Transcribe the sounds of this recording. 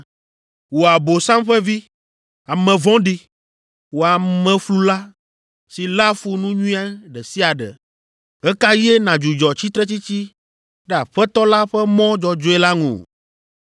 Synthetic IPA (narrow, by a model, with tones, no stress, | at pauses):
wo˨a˨bo˨sã˦mɸɛ˦vi˦ | a˨mɛ̃˨vɔ̃˦ɖi˨ | wo˨a˨mɛ̃˨flu˦la˦ | si˨la˦fu˦nũ˦ɲũ˦ĩ˦a˦ɖɛ˨si˦a˨ɖɛ̰˨ | ɛ˦ka˦jɛ˦nã˨d͡ʒu˨d͡ʒɔ˨t͡ɕi˦t̪ɾɛ˦t͡ɕi˦t͡ɕi˦ | ɖɛ˦a˨ɸɛ˦t̪ɔ˦la˦ɸɛ˦mɔ̃˦d͡ʒɔ˨d͡ʒo˦ɛ˦la˦ŋṵ̃˨